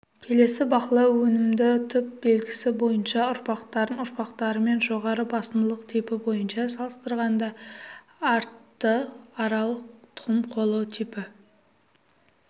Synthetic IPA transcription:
kʲʰe̞le̞sɪbɑqlˠɑwwɵnɪmd̪ɪt̪ʰʏp̚be̞lɡʲɪsɪbo̞jənʃɑʊɾpɑqt̪ɑɾənʊɾpɑqt̪ɑɾəme̞nʒo̞ʁɑɾəbɑsəmd̪əlˠəqt̪ʰipɪbo̞jənʃɑsɑlˠəst̪əɾʁɑnd̪ɑ | ɑɾt̪ːəɑɾɑlˠəq̚t̪ʰʊ̥əmqʰo̞lˠəwt̪ʰipɪ

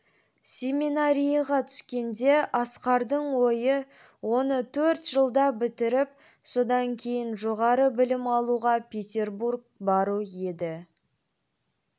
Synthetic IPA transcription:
sʲe̞minaɾʲijɑʁɑt̪ʰʏ̥skʲe̞nd̪e̞ʔɑsqɑɾd̪əɴwo̞jə | wo̞nət̪ʰɵɾt̪ʒ̥əlˠd̪ɑbɪt̪ɪɾɪp̚ | so̞d̪ɑŋkʲʰe̞jɪnʒo̞ʁɑɾəbɪlɪmɑlˠuʁɑpʰʲe̞t̪ʲe̞rburɡ̚ | bɑɾuje̞d̪ɪ

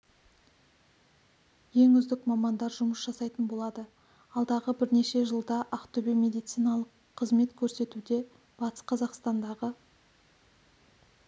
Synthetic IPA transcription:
je̞ŋʏzd̪ɪkmɑmɑnd̪ɑɾʒʊməsʒɑsɑjt̪ənbo̞lˠɑd̪ə | ɑlˠd̪ɑʁəbɪɾne̞ʃe̞ʒəlˠd̪ɑʔɑqt̪ʰɵbeme̞d̪ijt̪sijnɑlˠəqʰːəzme̞t̪kʲʰɵɾse̞t̪ud̪e̞ | b̥ɑt̪ə̥sqʰɑzɑqst̪ɑnd̪ɑʁə

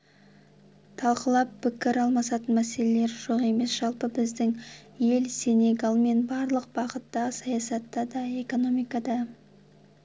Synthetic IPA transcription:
t̪ʰɑlˠqəlˠɑpʰːɪkʲɪɾɑlˠmɑsɑt̪ənmæse̞le̞le̞ɾʒoqe̞me̞sʒ̥ɑlˠpəbɪzd̪ɪŋje̞lse̞ne̞ɡɑlˠme̞nbɑɾlˠəq̚bɑʁət̪ːɑəsɑjɑsɑt̪ːɑd̪ɑe̞ko̞no̞mijkɑd̪ɑ

